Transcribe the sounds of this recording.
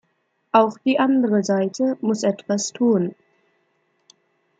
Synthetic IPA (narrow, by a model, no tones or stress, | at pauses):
ʔaʊxd̥iːʔandəʁəzaɪtʰəmʊsʔɛtv̥astʰuːn